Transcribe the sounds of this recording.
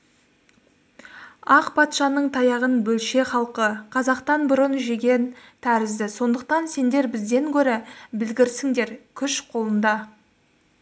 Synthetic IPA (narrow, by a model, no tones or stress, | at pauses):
ɑqpʰɑt̪ʃɑnəɴt̪ʰɑjɑʁənbɵlʃe̞χɑlˠqəqʰɑzɑqt̪ɑnbʊɾənʒeɡʲe̞nt̪ʰæɾɪzd̪ɪso̞nd̪əq̚t̪ɑnse̞nd̪e̞ɾbɪzd̪e̞ŋkʲʰɵɾebɪlɡʲɪɾsɪŋd̪e̞ɾkʲʰʏʃqʰo̞lˠənd̪ɑ